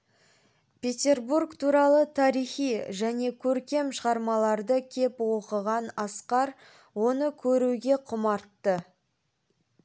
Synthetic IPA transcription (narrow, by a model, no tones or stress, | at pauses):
pʲʰe̞t̪ʲe̞rburkt̪ʰuɾɑlˠət̪ʰɑɾijχijʒæne̞kʲʰɵɾkʲe̞mʃəʁɑɾmɑlˠɑɾd̪əkʲʰe̞pwo̞qəʁɑnɑsqɑɾ | wo̞nəkʲʰɵɾuɡʲe̞qʰʊmɑɾt̪ːə